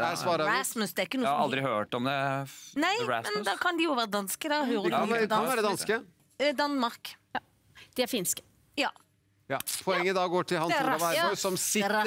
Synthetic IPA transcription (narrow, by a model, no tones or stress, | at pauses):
æsʋɑːɾəæsmʉsd̪ɛɾɪkːənuːɾɑld̪ɾɪhøːʈɔmd̪ɛnæɪɹæsmɛnd̪ɑːkʰɑnd̪ɪjʊʋæːɾəd̪ɑnskəd̪ɑhøːɾəd̪ɑnʋæːɾəɛd̪ɑnskə | d̪ɑnmɑɾk | d̪̥ɛæɾfɪnskə̥ | jɑː | jɑpʰɔɛŋːəd̪ɑɡoːʈʰɪlhɑnæɔsɔmsɪ